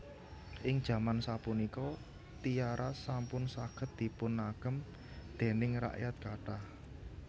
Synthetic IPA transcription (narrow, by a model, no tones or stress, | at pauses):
ʔɪŋd̥ʒ̥ä̤mansapunikɔ | t̪ijaɾʔasampʊnsakət̪̚d̪̥i̤pʊnːaɡ̥əm | d̪̥e̤nɪŋra̰ʔjat̪̚kaʈah